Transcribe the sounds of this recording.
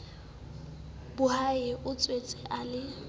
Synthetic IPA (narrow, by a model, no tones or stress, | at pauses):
b̥ʊhaɪʔʊt͡sʼwet͡sʼɛʔalɪ